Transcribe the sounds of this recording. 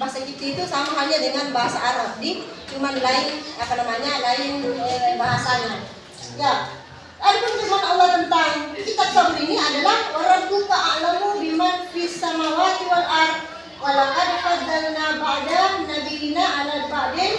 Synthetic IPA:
basakit̪iːt̪usamaɦalɲadəŋanbaɦasaʔːɾas̚dit͡ʃumanlaɪnapanamaɲalaɪnlabaɦasana | ja | tadikant͡ʃumanalːahk̪ənt̪aŋkit̪ap̚samuniniadalahoɾaŋt̪ukaʔalamubimanpisamawat̪uwanʔar | kalakadapad̪ənabadanadiːnaalabadɛn

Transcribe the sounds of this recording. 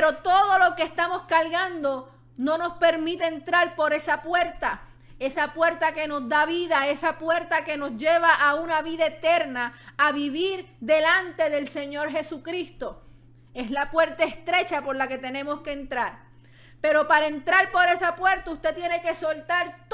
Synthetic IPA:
ɾo̞t̪o̞ðo̞lo̞keːst̪amo̞skalɣand̪o̞ | no̞no̞spe̞ɾmĩt̪eent̪ɾaɾpo̞ɾe̞sapwe̞ɾt̪a | e̞sapwe̞ɾt̪ake̞no̞sd̪aβiðae̞sapwe̞ɾt̪ake̞no̞sʝe̞βaʔaunaβiðaet̪e̞ɾnaːβiβiɾ | d̪e̞lant̪e̞ðe̞lse̞ɲo̞ɾɦe̞sukɾist̪o̞ | e̞slapwe̞ɾt̪aest̪ɾe̞t͡ʃapo̞ɾlake̞t̪e̞nẽ̞moske̞ːnt̪ɾaɾ | pe̞ɾo̞paɾae̞nt̪ɾaɾpo̞ɾe̞sapwe̞ɾt̪aust̪e̞t̪jene̞ke̞so̞lt̪aɾt̪

